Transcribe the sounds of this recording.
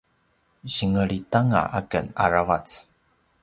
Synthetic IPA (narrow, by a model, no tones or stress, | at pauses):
ɕiŋəɭitaŋa̰ʔakə̰na̰ɾavat͡s